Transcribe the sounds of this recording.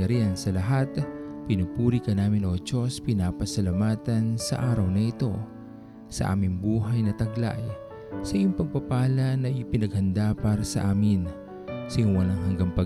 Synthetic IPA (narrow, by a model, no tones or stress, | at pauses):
ɐɾiansɐlɐɦat̪pɪnupuːɾikɐnaːmɪnot͡ʃo̞spɪnaːpɐsɐlɐmaːt̪ɐnsɐ̰ʔaːɾɐwnɐʔɪt̪o̞ | sɐ̰ʔa̰ːmɪŋbuːɦɐjnɐt̪ɐɡla̰j | sɐʔɪjʊŋpɐɡ̚pɐpaːlɐnɐʔɪpɪnɐɡ̚hɐnd̪apaɾɐsɐ̰ʔaːmɪn | sɪjʊŋwɐlaŋɦɐŋɡaŋpɐ